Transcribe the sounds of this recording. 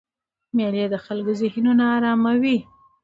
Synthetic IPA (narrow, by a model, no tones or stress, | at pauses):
meljed̪əxalɡozɪhnunaːɾɑmawi